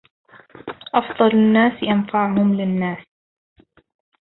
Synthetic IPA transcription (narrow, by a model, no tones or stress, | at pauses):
ʔɑfd̪ˤɑlanːaːsjanfaʕhʊmlɪnːaːs